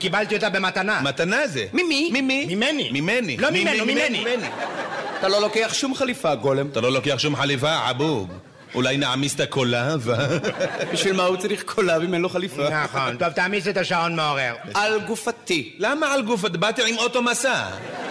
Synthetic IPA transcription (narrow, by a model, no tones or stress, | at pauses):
kibalt̪iot̪abe̞mat̪anamat̪anazemimimimimimenimimenḭlomimenomimenieniat̪alo̞lokeaχʃumχalifaɡolemt̪alo̞lokeaχʃumħalifaʕa̰buɡ | ṵlajnaʕamist̪akolavabiʃvilmaut͡saɾiχkʰolamimenoχalifanaχo̞nt̪ovt̪aʕmiset̪aʃao̞nmeo̞ʁeʁalɡufat̪ilamaalɡufad̪bat̪iʕimot̪omasa